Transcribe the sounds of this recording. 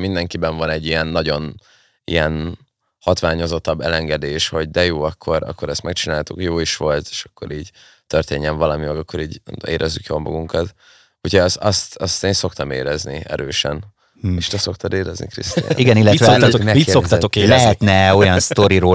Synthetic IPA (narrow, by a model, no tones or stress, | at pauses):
mind̪ɛŋkibɛɱvɒnɛɟːijɛnːɒɟo̞n | ḭjɛn | hɒt̪ʋaːɲo̞zo̞t̪ːɒbːɛlɛŋɡɛd̪eːʃho̞ɟd̪ɛjoːɒkʰːo̞ɾɒ̰kːo̞ɾɛst̪mɛkt͡ʃinaːlt̪ukjoːiʃʋo̞lt̪e̥ːʃɒ̥kːo̞̰ɾiːɟ | t̪ørt̪eːɲːɛɱvɒlɒmimɛɡɒkːo̞ɾiːɟḛːɾʔɛzːykjoːlmɒ̰ɡuŋkɒt̪ | ucʰosɒst̪ɒst̪eːnso̞kt̪ɒmḛːɾɛzniɛ̰ɾøːʃɛ̰n | eʃt̪ɛso̞kt̪ɑd̪eːɾɛznḭkɾḭst̪ːiɡɛnilːɛt̪oonissokt̪ɒokelɛɦɛt̪nɛo̞jɒnst̪oɾiɾoː